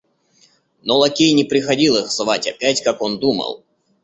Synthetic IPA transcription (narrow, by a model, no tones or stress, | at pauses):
nɔlˠɐkʲijnʲɪpɾʲɪxɐdʲilˠɨxzvatʲɐpʲætʲkakond̪umə̰lˠ